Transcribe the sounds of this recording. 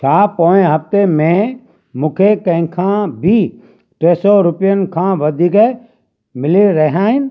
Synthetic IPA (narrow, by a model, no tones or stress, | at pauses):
t͡ʃʰaːpoːẽɦɐft̪emẽ | mũːkʰekɐ̃ɦɪ̃kʰãbʱi | ʈeːsɔɾʊpijənkʰãːʋɐd̪ʱiːke | mɪleɾɐɦãːɦɪnɪ̆